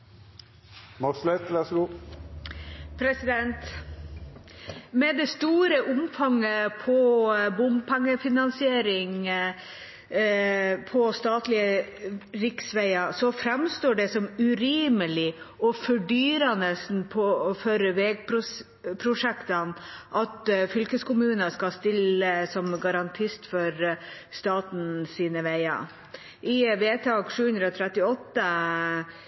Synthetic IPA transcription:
mɑkslɛt̪ʰlɛsɡu | pʰɾɛsɪd̪ɛnt̪ | mɛd̪ɛst̪uːɾəʔʊmfɑŋːəpʰɔbʊmpʰɛŋːəfɪnɑnsɪeːɾɪŋ | pʰɔst̪ɑːt̪lɪə | ɾɪksʋæɪɑsɔfɾɛmst̪oːɖɛsɔmʉɾiːməlɪɔfɔɖyːɾɑnəsn̩pʰɔɔføːɾəʋɛːɡ̚pʰɾʊ | pʰɾʊʂɛkt̪ɑnʔɑt̪fʏlkəskʊmʉːnɑskɑst̪ɪləsɔmɡɑɾɑnt̪ʰɪst̪fɔɾ | st̪ɑːt̪n̩siːnəʋæɪɑ̰ | ʔɪʋeːt̪ʰɑːɡʂʉːhʉnd̪ɾəɔt̪ʰɾɛt̪ːɪɔt̪ːə

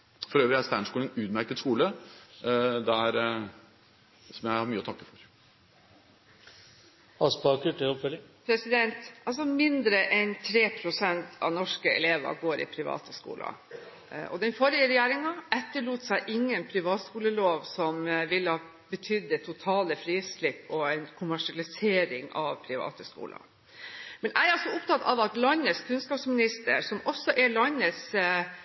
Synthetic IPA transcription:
fɔɾøːʋɾɪæst̪æːɳskuːɛnʉːd̪mæɾkəd̪skuːlə | d̪ɛæɾ | sɔmjæɪhɑɾmyːəɔt̪ɑkːəfɔɾ | ɑspɑkʉʈəɔfpʰɾɛsɪd̪ɛnt̪ʔɑls̬ɔmɪnd̪ɾəʔɛnt̪ʰɾeːpʰɾʊsɛnt̪ʰɑ̰ʋnɔʂkəɛ̰leːʋɑ̰ɡoːɾɪ̰pʰɾɪʋɑ̰ːt̪əskṵːlɑ̰ | ʔɔ̰d̪ɛnfɔɾɪəɾɛjeːɾɪŋɑɛt̪ːəɭuːt̪sæɪʔɪŋːənpʰɾɪʋɑːt̪skuːləloːʋsɔmʋɪlːəhɑː | bət̪ʰʏd̪ːət̪ʰʊt̪ʰɑːləfɾiːslɪpːɔɛɪnkʰʊmæʂɪɑlɪseːɾɪŋɑ̰ʋpʰɾɪʋɑ̰ːt̪əskṵːlɑ̰ | mɛnʔæɪɑsɔʊpt̪ʰɑt̪ːʰɑʋɑt̪lɑnəskʰʉnskɑːpsmɪnɪst̪əɾsɔmʔɔsːɔʔɛɭɑnəs

